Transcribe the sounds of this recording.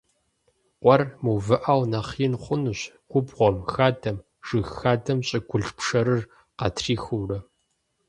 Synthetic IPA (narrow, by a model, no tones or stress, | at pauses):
qʷʼɔrmuwvɨʔawnɐχiːnχʷʊnuɕ | ɡ̥ʷʊbʁʷɔmxaːdʰɐm | ʒ̥ɨxxaːdɐmɕʼɪɡʷʊɮpʰʂɐɾɨr | qɑ̰tʰriːxurɐ